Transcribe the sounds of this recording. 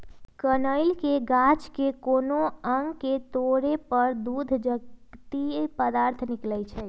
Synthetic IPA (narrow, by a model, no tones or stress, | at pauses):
kənəɪlkeɡat͡ʃkekoːnoəŋɡket̪oɾepəɾd̪ud̪ʱd͡ʒət̪ipəd̪aːɾt̪ʰnɪklɛt͡ʃʰɛ